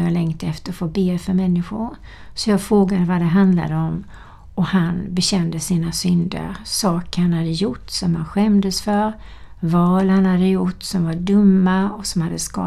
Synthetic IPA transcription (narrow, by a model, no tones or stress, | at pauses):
jalɛŋt̪əɛft̪əɾɔfoːbeːfœɾmɛnːɪɧʊɾ | sɔjɑːɡfɾoːɡad̪əvad̪ɛɦand̪la̰d̪əɔm | ɔhanbɛɕɛnd̪əsiːnasʏnd̪ə̰ɾsɑːkəɾhanhad̪əjʊʈːsɔmhanɧɛmd̪əsfœɾ | vɑːlhanhad̪əjʊʈːsɔmvaɖɵmːaɔsɔmhad̪ːəskɑ̰ː